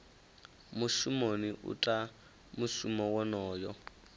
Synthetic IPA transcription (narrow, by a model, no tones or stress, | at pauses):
mʊsumoniʔṵtʼa | mʊsumɔwɔnɔːjɔ